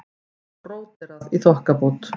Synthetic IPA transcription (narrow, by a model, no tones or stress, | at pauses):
roːwt̪ɪɾaðiθɔhkaput̪